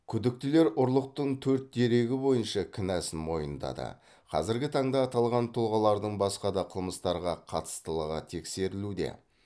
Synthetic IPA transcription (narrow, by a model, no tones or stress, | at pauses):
kʲʰʏd̪ɪk̚t̪ɪle̞ɾʊɾlˠəq̚t̪əɴt̪ʰɵɾt̪̚d̪e̞ɾe̞ɡʲɪbo̞jənʃɑkʲʰɪnæsɪnmo̞jənd̪ɑ̰d̪ə̰ | qʰɑ̰zɪɾɡʲɪt̪ʰɑɴd̪ɑːt̪ɑlˠʁɑnt̪ʰʊlˠʁɑlˠɑɾd̪əɴbɑsqɑd̪ɑqʰəlˠməst̪ɑɾʁɑqʰɑt̪ə̥st̪əlˠəʁɑt̪ʰe̞kse̞ɾɪlud̪e̞̰